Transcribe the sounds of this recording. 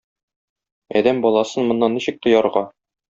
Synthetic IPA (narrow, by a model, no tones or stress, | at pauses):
ɒ̰d̪æmbɒlˠɑsɤnmŏnːɑnːiɕɘ̆k̚t̪ŏjɑɾʁɑ